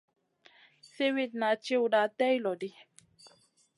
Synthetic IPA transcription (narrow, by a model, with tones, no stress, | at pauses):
se˦wi˦t̪na˨t͡ʃi˦wda˨t̪ɛ˦jlɔ˨di˦